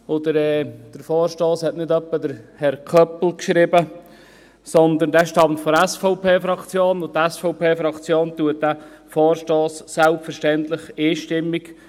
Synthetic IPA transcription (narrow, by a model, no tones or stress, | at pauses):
ɔd̪əɾɛːd̥əɾfɔːɾʃtoːshɛtnɪd̪œpːəd̪əɾhɛɾkʰœpl̩kʃɾɪbə | sɔnd̪əndæːʃtɑmtfɔɾɛsfɔʊpʰeːfɾɑkt͡sjoːnʊtːɛsfɔʊpʰeːfɾɑkt͡sjoːnt̪uət̚d̥æ | fɔːɾʃtoːsːælpfəɾʃtɛnt̪lɪχiːʃtɪmːik